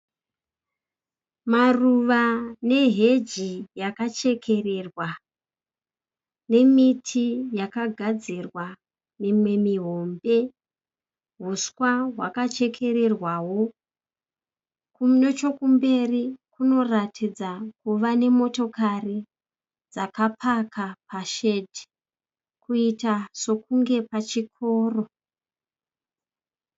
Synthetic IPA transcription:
maruʋane̞ɦe̞d͡ʒijakat͡ʃe̞kʰe̞re̞rwa | ne̞mitʰijakaɡʱad͡zirwa | mimwe̞miɦo̞mbe̞ | ɦuskwaɦwa̰kat͡ʃe̞kʰe̞ɾe̞rwawo̞ | kumno̞t͡ʃo̞kumbe̞rikuno̞ratʰid͡zakuʋane̞mo̞to̞kari | d͡zakapʰakapaʃe̞dʱi | kuitaso̞kuŋɡe̞pat͡ʃikʰo̞ːro̞

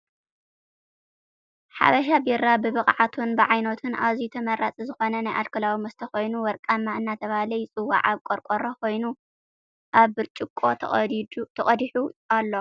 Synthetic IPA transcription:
ħa̰βɐʃ̬abiɾabɨβɨχʼʕat̪ʰunbɨʕajnot̪ʰɨnʔaβzit̪ʰɐmɐɾʔat͡sʼizɨxo̞nɐnajʔalkʰɐlawimɐst̪ʰɐxo̞jnuwɔɾkʼamːaɨnːat̪ʰɐβahlɐjt͡sʼɨwːa̰ʕaβkʷʼoɾkʷʼoɾokʰo̞jnu | ʔaβɨɾt͡ʃʼɪkʼːo̞ | t̪ʰɐχʼɐd̪iħualːo̞

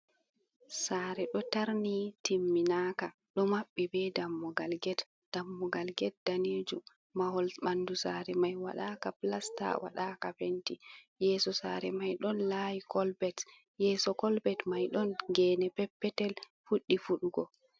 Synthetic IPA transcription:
saːɾɛɗɔtaɾnitimːinaːka | ɗɔmaɓːɛbɛdamːɔɡalɡɛt | d̥amːɔɡalɡɛt̚daneːd͡ʒum | mahɔlɓandusaːɾɛmajwa̰ɗakaplasta̰wa̰ɗaːkafenti | jɛːsɔsaːɾɛmajɗɔnlaːjikʰɔlbɛt | jɛːsɔkɔlbɛtmajɗɔnɡɛːnɛpɛpːɛtɛl | fuɗːifuɗuɡɔ

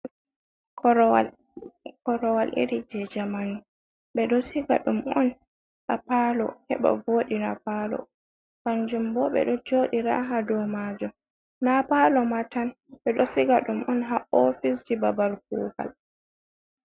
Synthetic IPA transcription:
w | kɔɾɔwalʔḭɾid͡ʒɛd͡ʒamanu | ɓɛɗɔsiɡa̰ɗumɔn | ʔapalɔ̰hɛ̰ɓa̰voːɗinapalɔ̰ | kand͡ʒumbɔɓɛ̰ɗɔd͡ʒoːɗiɾa̰ɦadɔmaːd͡ʒɔ | napalɔmatan | ɓɛɗɔsiɡaɗumɔnɦaʔɔfis̬d͡ʒibabalk̚uːɡa̰l

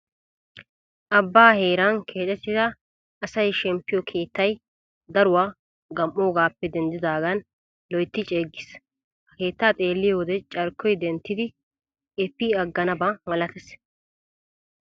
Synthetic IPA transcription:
ʔɐbːaːheːɾankʰe̞ːt̪ʼɛt̪ːɪzɐː | sɐjʃɛmpːɪjɔkʰe̞ːt̪ːɐj | d̪ɐɾʊwaː | ɡɐmʔːoːɡaːpːɛd̪ɛnd̪ɪd̪aːɡɐn | lɔjt̪ːɪt͡ʃʼeːɡːɪs | hɐke̞ːt̪ːaːt̪ʼe̞ːlːɪjwɔd̪ɛt͡ʃʼɐɾkːɔjd̪ɛnt̪ːɪd̪ɪ | ɛpːiːɐɡːɐnɐbɐmɐlɐt̪ɛs

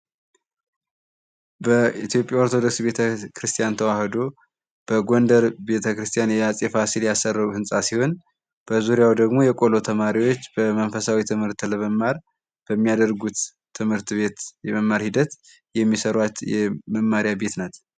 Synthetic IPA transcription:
bəit̪jo̞pʼːjao̞ɾt̪ʰo̞d̪o̞ksbe̞t̪ʰəkʰɾɨst̪ʰijant̪ʰəwahd̪o̞ | b̥əɡond̪əɾbe̞t̪ʰəkɾɨst̪ʰijanjɛjasʼefasiljasərːəuhɨnsʼasiho̞n | b̥əzuɾijawd̪əɡmo̞jɛkʼo̞lo̞t̪ʰəmaɾiwo̞t͡ʃːbəmənfəsawit̪ʰɨmhɨɾt̪ːləməmːaɾ | b̥əmːijad̪əɾɡut̪ʰː | ɨmhɨɾt̪βe̞t̪jɛməmːaɾhid̪ət̪ | jɛmːisəɾwat̪jɛməmːaɾijabe̞t̪nat̪

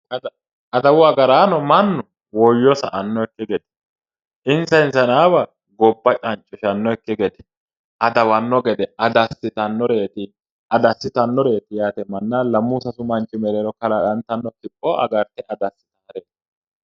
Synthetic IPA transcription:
ɐd̪ | ɐd̪ɐwʊɐɡɐɾaːnɔmɐnːɔ | wɔjːɔsɐ̰ʔɐnːɔɛkːɪɡɛd̪ɛ̥ | ʔɪnsɐɪnsɐnaːbɐ | ɡɔbːɐt͡ʃʼɐnt͡ʃʼːɔʃɐnːɔɛkːɪɡɛd̪ɛ̥ | ʔɐd̪ɐwɐnːɔɡɛd̪ɛʔɐd̪ɐsːɪt̪ɐnːɔɾe̞ːt̪ɪ | ʔɐd̪ɐsːɪt̪ɐnːɔɾe̞ːt̪ɪjaːt̪ɛmɐnːɐlɐmːuːsɐsʊmɐnt͡ʃʼːɪmɛɾeɾɔkɐlɐᶑɐnt̪ːɐnːɔkɪpʼːɔʔɐ̰ɡɐɾt̪ɛʔɐd̪ɐsːɪ̥t̪ɐɐɾet̪

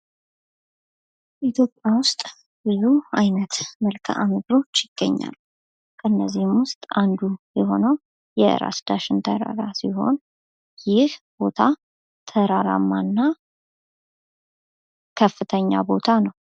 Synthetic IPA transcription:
ʔit̪ʰjo̞pʼjawʊst̪ʼ | b̥ɨzuajnət̪məlkʰə̰ʔaməɡɾo̞t͡ʃːjɪɡ̥ːəɲːa̰l | kʰʼəɨnːəzːihɨmwʊst̪ʼand̪ujɛɦo̞nəw | jɛɨ̰ɾa̰sd̪aʃɪnt̪ʰəɾa̰ɾasiɦo̞̰n | jɪhb̥o̞t̪ʰa | t̪ʰəɾaɾa̰mːanːa | kʰəfːɨt̪ʰəɲːa̰bo̞t̪ʰanəw

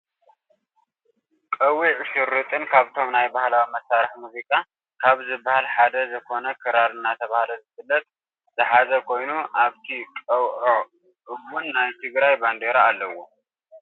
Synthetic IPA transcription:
kʼɐwiʕʃɨɾːɨt̪ʼɨnkʰaβt̪ʰo̞mnajbahlawimɐsːaɾɨħmuzikʼa | kʰaβzɨbːahalħad̪ɐzɨkʰo̞nɐkʰɐɾaɾɨnːat̪ʰɐβahlozɨfɨlːɐt̪̚ | z̥ɨħazɐkʰo̞jnuʔaβt̪ʰikʼɐwʕo | ʔɨɡːunːajt̪ʰɨɡɾajband̪eɾaːlːɐwo̞

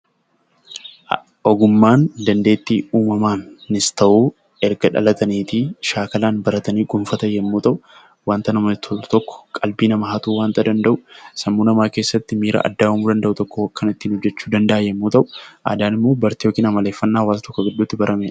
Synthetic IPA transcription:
ɔɡʊmːaːnd̪ɐnd̪e̞ːt̪ːiːuːmɐmaːnːɪst̪ɐʔuː | ɛɾɡɐᶑɐ̰lɐt̪ɐniːt̪iʃaːkɐlaːnbɐɾɐt̪ɐniːɡʊmfɐt̪ɐjɛmːuːt̪ɐʔʊ | waːnt̪ɐnɐmt̪ʰt̪ɔkːɔ̥kʼɐlbiːnɐmɐɦat̪uːwaːnt̪ɐd̪ɐnd̪ɐʔʊ̥sɐmːuːnɐmaːkeːsːɐt̪ːɪmiːɾɐ̰ʔɐ̰d̪ːaːʊmuːd̪ɐnd̪ɐʔʊt̪ɔkːɔwɐkːɐnɪt̪ːiːnɔd͡ʒːɛt͡ʃːuːd̪ɐnd̪ɐʔajɛmːuːt̪ɐʔʊ̥ʔa̰ːd̪aːnɪmːoːbɐɾt̪ɪjoːkiːnɐmɐle̞ːfːɐnːaːɐwaːsɐt̪ɔkːɔɡɪd̪ːuːt̪ːɪbɐɾʔɐmeːᶑɐ

